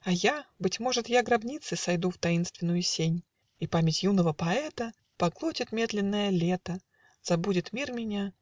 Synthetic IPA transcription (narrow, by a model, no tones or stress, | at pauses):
ɐjabɨtʲmo̞ʐɨt̪jaɡɾɐbnʲit̪sɨsɐjd̪uft̪ɐinst̪vʲɪnːʊjʊsʲenʲ | ipamʲɪtʲjunəvəpɐɛt̪ə | pɐɡlˠotʲɪt̪mʲe̞d̪lʲɪnːəjəlʲe̞t̪ə | z̥ɐbudʲɪt̪mʲirmʲɪnʲa